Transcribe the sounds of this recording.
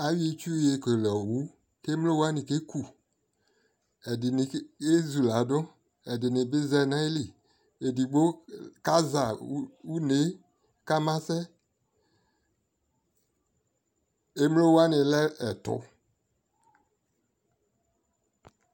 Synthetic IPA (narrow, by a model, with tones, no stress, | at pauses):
a˨wi˦t͡ʃu˦je˨ke˨lɔ˨wu˦ | ke˦m˦lo˦wa˦nĩ˨ke˦ku˨ | e˨di˨ni˨˦e˦zu˨la˨do˦ | ɛ˨dɪ˨nɪ˨be˦zɛ˦na˦li˨ | e˨di˨ɡ͡bo˦ka˦za˨˦wu˦ne˨˦ | ka˦mã˦sɛ˦ | e˦mlo˦wa˦nɪ̃˨lɛ˦ɛ˨t̪ʊ̰˦